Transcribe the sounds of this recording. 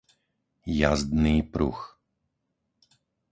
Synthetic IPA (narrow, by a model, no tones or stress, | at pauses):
ja̰zd̪niːpɾṵx